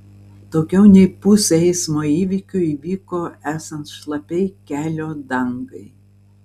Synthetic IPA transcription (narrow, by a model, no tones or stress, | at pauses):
t̪oːkʲɛʊnʲɛɪpʊsʲɛɛɪsmoːiːʋʲikʲʊiːʋʲiːkoːæːsɐnt̪ʃlˠɐpʲɛɪkʲæːlʲoːd̪ɐŋɡɐɪ